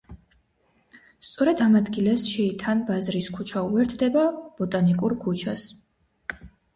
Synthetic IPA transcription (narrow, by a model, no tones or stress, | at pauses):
st̪sʼɔɾɛd̪amad̪ɡilɛsʃɛit̪ʰanbazɾiskʰut͡ʃʰauɛɾt̪ʰd̪ɛbab̥ɔt̪ʼanikʼuɾkʰut͡ʃʰas